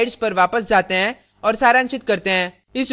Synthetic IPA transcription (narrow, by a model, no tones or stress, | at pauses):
ɪɖspɐɾʋaːpəsd͡ʒaːt̪eɦɛ̃ | ɔːɾsaːɾaə̃nʃɪt̪kɐɾt̪eɦɛ̃ː | ɪs